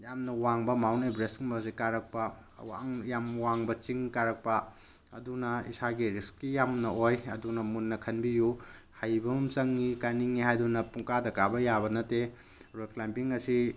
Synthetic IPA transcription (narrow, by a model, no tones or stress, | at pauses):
jamnɐwaŋbɐmawnebɾesuŋbɐsikaɾɐk̚pɐ | wa̰jamwaŋbɐt͡ʃiŋkaɾɐk̚pɐ | ɐ̰dunɐisaɡiɾiskkːijamnɐojɐdunɐmunːɐkʰɐnbiju | hajbɐmunt͡ʃɐŋːikaniŋːihajdunɐpuŋkadɐkabɐjabɐnɐte | ɾoklajmpiŋɐsi